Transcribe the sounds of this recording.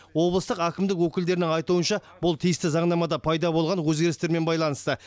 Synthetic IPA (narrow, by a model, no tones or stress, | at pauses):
wo̞blˠəst̪əqækʲɪmd̪ɪkwɵkʲɪld̪e̞ɾɪnɪŋɑjt̪uənʃɑbʊlˠt̪ʰijɪst̪ɪzɑɴnɑmɑd̪ɑpʰɑjd̪ɑbo̞lˠʁɑnwɵzɡʲe̞ɾɪst̪e̞ɾme̞nbɑjlˠɑnəst̪ə